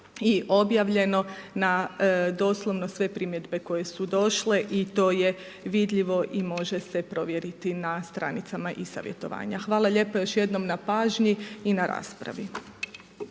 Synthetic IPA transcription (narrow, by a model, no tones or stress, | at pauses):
iʔo̞bjaʋʎe̞no̞nad̪o̞ːslˠo̞ʋno̞sʋe̞pɾimje̞d̪be̞ko̞je̞sud̪o̞ʃle̞ʔit̪o̞ːje̞ | ʋid̪ʎiʋo̞ʔimo̞ʒe̞se̞pɾo̞ʋjeɾit̪inast̪ɾa̰nit̪samaʔisa̰ʋjḛt̪o̞̰ʋa̰ːɲaxʋaːlˠaʎe̞pojo̞ʃje̞d̪no̞mnapaːʒɲiːnaɾa̰ːspɾa̰ʋi